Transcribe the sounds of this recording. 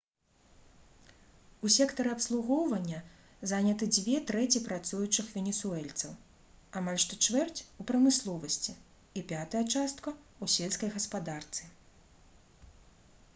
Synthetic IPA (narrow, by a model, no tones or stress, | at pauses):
usʲɛkt̪ɐɾɨɐpslˠuɣɔwvɐnʲːɐ | zanʲɐt̪ɨd͡zʲvʲɛt̪ɾɛt͡sʲipɾat̪sujut͡ʂɨxvʲɛnʲɛsuɛlʲt̪sɐw | amalʲʂt̪ɔt͡ʂvɛrt͡sʲupɾɐmɨslˠɔvɐsʲt͡sʲi | ipʲat̪ɐjɐt͡ʂast̪̚kɐ | usʲɛlʲskɐjɣɐspad̪art̪sɨ